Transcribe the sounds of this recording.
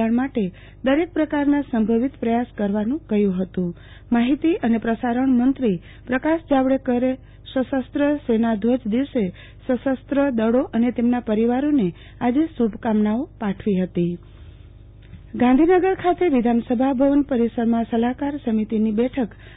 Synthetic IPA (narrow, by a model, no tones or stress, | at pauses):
əɳmaʈe | d̪əɾek̚pɾəkaɾnasəmbʱəʋit̪pɾəjaskəɾʋanũkəjũɦət̪ũ | maɦit̪iʔənepɾəsaɾəɳmənt̪ɾi | pɾəkaʃd͡ʒaʋɽekəɾe | səsəst̪ɾəsenad̪ʱʋəd͡ʒd̪iʋse | səsəst̪ɾəd̪əɽoʔənet̪emnapəɾiʋaɾone | ad͡ʒesubʱkamnaopaʈʰʋiɦət̪i | ɡãnd̪ʱinəɡəɾkʰat̪eʋid̪ʱansəbʱabʱəʋənpəɾisəɾmãsəlakaɾsəmit̪inibɛʈʰək